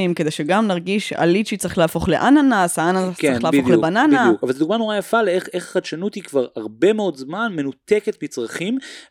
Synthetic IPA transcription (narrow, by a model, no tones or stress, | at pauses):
imked̪e̞jʃeɡamnaʁɡiʃa̰liʃit͡sʁiχleaːfo̞χleʔananasaanaaskːʁeχlaodχlebananaukavalzed̪uɡmano̞ʁajafaleeχeχχad̪ʃanutikvaʁaʁbe̞meo̞dzmanme̞nut̪eketmit͡sʁaχim